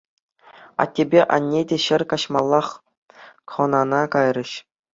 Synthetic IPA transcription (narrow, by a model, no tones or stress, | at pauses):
ɑ̰tʲːebʲeʔɑ̰nʲːedʲeɕɘ̆rkɑɕmɑlˠːɑχ | χɤ̆nɑnɑkɑjrʲɤ̆ɕ